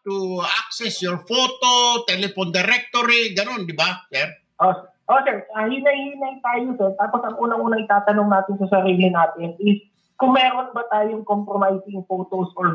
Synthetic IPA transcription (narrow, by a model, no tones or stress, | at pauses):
t̪uaksɛsjoɹfoːt̪ot̪ɛlɛfond̪ɛɾɛk̚t̪oɾɪɡɐno̞nd̪ɪbasɛɾ | ʔosɛ | ʔoːsɛɹɐhinɐjhinɐjt̪aːjosɛɹt̪aːpo̞sɐŋʔuːnɐŋʔuːnɐŋʔɪt̪aːt̪ɐnoŋnaːt̪ɪnsɐsɐɾiːlɪnaːt̪ɪnɪs | kʊŋmɛːɾo̞nbɐt̪aːjoŋkompɾomajsɪŋfoːt̪osʔoɹ